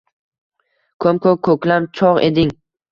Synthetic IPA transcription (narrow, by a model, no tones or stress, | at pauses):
kʰomkʰokʰɵkʲlamt͡ʃʰɒʁḛd̪ɪŋ